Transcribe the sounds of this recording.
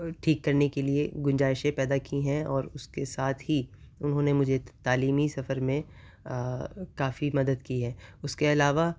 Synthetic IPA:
ʈʰiːkːɐɾnekeliḛɡʊnd͡ʒaːɪʃẽpɛːd̪akiɦɛ̃ɔːɾʊskesaːt̪ʰɦiʊnɦõːnemʊd͡ʒʱet̪aːliːmisɐfəɾmẽ | kaːfimɐd̪əd̪kiɦɛːʊskeɐlaːʋa

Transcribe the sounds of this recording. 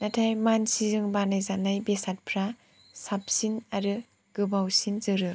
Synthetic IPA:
natʰajmansizɯŋbanajzanajbesat̚pʰɾa | sap̚sinaɾɯ | ɡ̥ɯbawsinzɯɾɯ

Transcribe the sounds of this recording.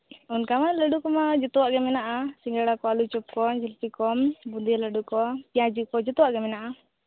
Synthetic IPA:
unkamanlaɖukɔmad͡ʒut̪uaʔɡɛmɛnaʔasiŋɡaɽakɔalut͡ʃup̚kɔnd͡ʒəlpikɔmbund̪ilaɖukɔpiad͡ʒukɔd͡ʒɔt̪uaʔɡɛmɛnaʔa

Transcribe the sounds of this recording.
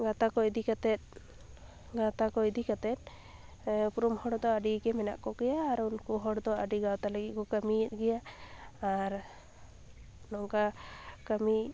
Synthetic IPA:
ɡat̪akɔjd̪ikat̪ɛt̪̚ | ɡat̪akɔjd̪ikat̪ɛt̪̚ | puɾumhɔɽd̪ɔaɖikɛmɛna̰ʔkɔɡɛjaːɾunkɔɦɔɽd̪ɔaɖiɡawt̪aləɡikɔkamit̪̚ɡɛjaː | ɾ | nɔŋɡakami

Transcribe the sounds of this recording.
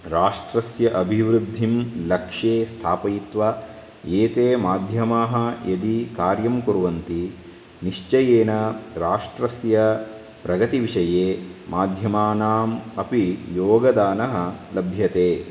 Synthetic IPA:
ɾaːʂʈɾɐsjɐʔɐbʱiʋɾud̪ʱːimlɐkʂeːst̪ʰaːpɐjit̪ʋɐ | eːt̪eːmaːd̪ʱjɐmaːɦɐ̆jɐd̪ikaːɾjɐmkuɾʋɐnt̪i | niʂt͡ʃɐjeːnɐɾaːʂʈɾɐsjɐ | pɾɐɡɐt̪iʋiʂɐjeːmaːd̪ʱjɐmaːnaːmɐpijoːɡɐd̪aːnɐɦɐ̆lɐbʱjɐt̪eː

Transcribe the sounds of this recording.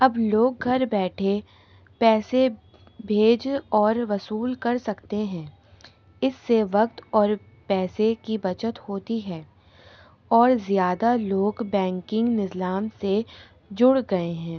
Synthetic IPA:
ɐbloːɡ̚ɡʱɐɾbɛːʈʰe | pɛːse | bʱeːd͡ʒɔːɾʋɐsuːlkɐɾsɐkt̪eɦɛ̃ː | ɪsːeʋɐkt̪ɔːɾ | pɛːsekibɐt͡ʃət̪hoːt̪iɦɛː | ɔːɾzjaːd̪aloːɡbɛ̃ːŋkɪ̃ŋɡnɪzlaːmse | d͡ʒʊɽɡɐeɦɛ̃ː

